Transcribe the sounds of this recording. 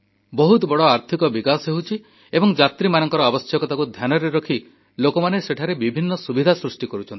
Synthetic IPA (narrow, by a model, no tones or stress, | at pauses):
bɔɦut̪bɔɽɔaɾt̪ʰikɔbikasɦeɦut͡ʃʰi | ebɔŋd͡ʒat̪ɾimanɔŋkɔɾɔabɔsjɔkɔt̪akud̪ʱjanɔɾeɾɔkʰi | lokɔmaneseʈʰaɾebibʱinːɔsubid̪ʱasɾusʈikɔɾut͡ʃʰɔni